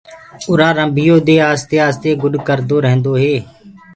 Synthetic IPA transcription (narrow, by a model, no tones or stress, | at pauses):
ʊɾaːɾəmbʱɪjõːd̪eːaːst̪eːaːst̪eːɡʊɗkəɾd̪oːɾəɦnd̪oːɦeː